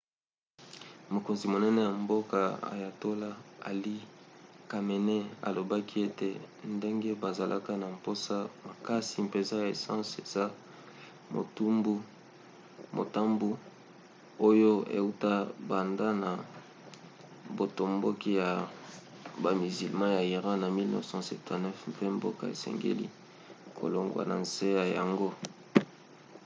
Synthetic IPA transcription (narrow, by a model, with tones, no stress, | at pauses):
mo˨ko˨nzi˨mo˨nɛ˦ne˦ja˨mbo˦ka˨a̰˨ja˨to˦la˦a̰˨li˦ka˨me˨ne˦a̰˨lo˨ba˦ki˦e˦te˨nde˦ŋɡe˦ba˨za˨lʔa̰˦ka˦na˨mpo˦sa˦ma˨ka˦si˨pe˨za˦˨e˨sã˦se˨z̥a˦ | mo̰˨tu˦mbu˦ | mo̰˨ta˦mbu˦ | o˦jo˦ḛ˨u˦ta˦ba˨nda˦na˨ | bo˨to˨mbo˦ki˦ja˨ | ba˨mi˨zi˨lmã˦ja˨i˨ʁã˦na˨mi˦lnɛ̰˦sɑ̃˦sɛ˨tã˨nɛ˦fpe˦mbo˦ka˦ḛ˨sɛ̰˨ŋɡḛ˦lḭ˦ | kʰo̰˨lo˨ŋɡwa̰˨na̰˨nse˦ja˨ja˨ŋɡo˦